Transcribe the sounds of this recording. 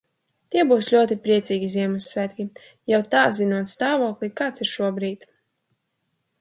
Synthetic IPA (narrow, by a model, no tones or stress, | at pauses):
t̪iɛbuːslʲuɔt̪ipɾiɛt̪siːɡʲizʲiɛmusːvʲæt̪ʲkʲi | jawt̪aːzinuɔt̪st̪aːvɔːklˠikaːt̪siɾʃuɔbɾiːt̪